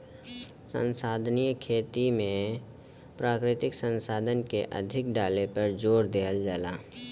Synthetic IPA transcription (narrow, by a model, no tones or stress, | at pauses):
sə̰̃nsaːd̪ʱnijəkʰeːt̪imẽ | pɾaːkɾɪt̪ɪksə̃nsaːd̪ʱənkeʔɐ̰d̪ʱɪkɖaːlepəɾd͡ʒoːɾd̪eːɦəld͡ʒaːlaː